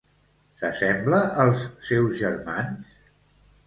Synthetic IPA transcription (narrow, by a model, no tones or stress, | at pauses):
səsɛmbləəlˠsːɛwzʒərmans